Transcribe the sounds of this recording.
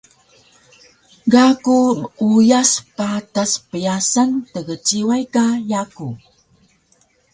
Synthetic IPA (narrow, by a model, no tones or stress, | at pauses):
ɡakuməujaspataspəjasantəɣət͡ɕiwajkajaku